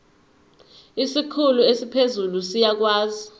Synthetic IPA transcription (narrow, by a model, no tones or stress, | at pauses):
isikʰuluesipʰezulusijak̬waːzi